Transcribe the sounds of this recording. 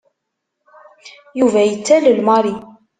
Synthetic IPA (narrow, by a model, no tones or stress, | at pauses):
juvæjət͡sːæləlmɑɾi